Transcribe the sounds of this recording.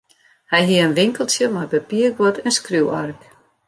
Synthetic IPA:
hɛjɦiəənʋɪŋkəlˠtjəmajbəpiəɡʋɔtʰɛnskruwark

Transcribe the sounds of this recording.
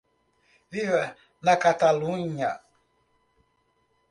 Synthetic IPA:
vivɛ | nakat̪alũɲa

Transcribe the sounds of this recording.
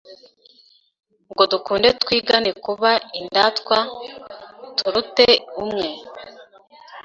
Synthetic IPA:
ŋɡo̞dukuːnde̞tkwiːɡanekuβaindatkwa | tuɾuteumŋe

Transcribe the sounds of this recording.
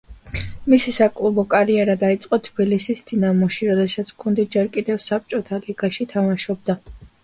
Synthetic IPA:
misisakʼlˠubɔkʼaɾiɛɾad̪ait̪sʼqʼɔt̪ʰb̥ilisisd̪̥inamɔʃiɾɔd̪ɛsat̪sʰkʰund̪id͡ʒɛɾkʼid̪ɛvsap̚t͡ʃʼɔt̪ʰaliɡaʃit̪ʰamaʃɔb̚d̪a

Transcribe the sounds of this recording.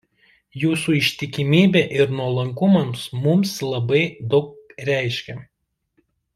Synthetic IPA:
juːsuɪʃʲt̪ʲɪkʲɪmʲiːbʲeːʔɪɾnuɔlˠɐŋkʊmɐmsmʊmslˠɐbɐɪd̪ɒʊk̚ɾʲæˑɪʃʲkʲɛ

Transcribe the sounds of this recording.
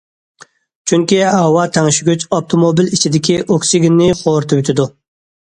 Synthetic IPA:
t͡ʃʰyŋkʲiɑwɑt̪ʰɛŋʃyɡʲyt͡ʃɑp̚t̪ʰomobilit͡ʃʰid̪ɪkʲʰiʔoksiɡʲɪnːɪχoɾt̪ʰɨbyt̪ʰɪd̪u

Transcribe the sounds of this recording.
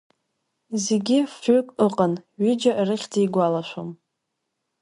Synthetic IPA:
zeɡʲɪfʏkʼɨqʼanɥʏd͡ʒaʔrɨχʲd͡zijɡʷalaʃʷo̰m

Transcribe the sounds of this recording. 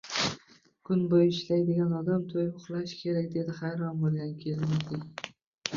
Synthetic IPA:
kʰʊnbojɪʃlajd̪ɪɡʲanɒd̪amt̪ʰojʊχlˠaʃkʲʰe̞ɾakʲd̪e̞d̪ɪχɑjɾɒnbolˠɡʲankʲʰelmad̪ɪ

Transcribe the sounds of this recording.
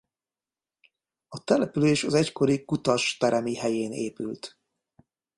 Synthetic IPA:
ɒt̪ɛlɛpyleːʃɒzɛcko̞ɾikut̪ɒʃt̪ɛɾɛmihɛjeːnḛːpylt̪

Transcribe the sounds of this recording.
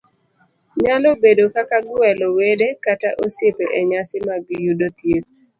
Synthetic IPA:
ɲalobedokakaɡwɛlɔwedekataʔosepeʔeɲasɪmaɡɪjudot̪jet̪̚

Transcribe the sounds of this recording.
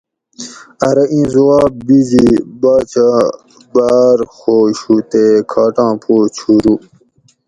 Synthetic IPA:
ɐɾɐʔĩːzuwaːb̚bizibaːt͡ɕa | baːɾxoːɕuːt̪ekʰaːʈãːpʰoːt͡ɕʰuɾu

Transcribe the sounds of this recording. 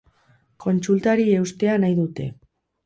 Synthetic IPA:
ko̞nt͡sult̪aɾie̞wst̪e̞anajðut̪e̞̰

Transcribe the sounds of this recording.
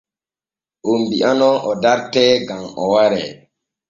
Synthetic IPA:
ʔombiʔanɔʔɔdaɾtɛɡamɔ̰waɾɛ

